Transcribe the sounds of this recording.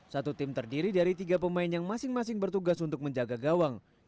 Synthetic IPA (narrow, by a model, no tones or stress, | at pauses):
sat̪ut̪ɪmt̪ərdiɾidaɾit̪iɡapəmaɪnjaŋmasɪŋmas̬ɪŋbərt̪uɡasunt̪ʊk̚məɲd͡ʒaɡaɡawaŋ